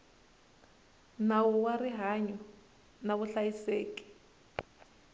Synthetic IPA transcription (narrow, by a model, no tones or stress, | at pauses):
nawuwariɦaɲɔ | naβuɬajiseːkʼi̥